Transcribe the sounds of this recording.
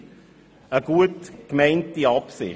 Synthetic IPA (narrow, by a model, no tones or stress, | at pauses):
əɡ̥uətkmɛɪntiɑpsɪ̰